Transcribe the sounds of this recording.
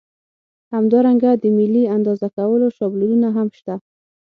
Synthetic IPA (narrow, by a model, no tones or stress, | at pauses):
hamd̪ɑɾaŋɡad̪əmɪlːiand̪ɑzakawəloʃɑblulunaɦamʃt̪a